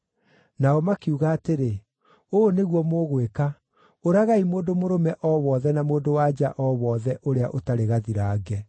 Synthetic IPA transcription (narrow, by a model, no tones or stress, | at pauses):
naɔmakiuɣaːteɾe | oneɣwɔmoːɣweka | oɾaɣaimoːndomoɾomɛʔɔwɔðɛnamoːndowad͡ʒaʔɔβɔðɛʔoɾeaʔotaɾeɣaðiɾaːɡɛ